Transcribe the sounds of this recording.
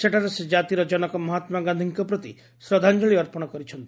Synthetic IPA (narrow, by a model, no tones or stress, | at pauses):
seʈʰaɾesed͡ʒat̪iɾɔd͡ʒɔnɔkɔmɔɦat̪maɡand̪ʱiŋkɔpɾɔt̪i | sɾɔd̪ʱand͡ʒɔɭiɔɾpɔɽ̃ɔkɔɾit͡ʃʰɔnt̪i̥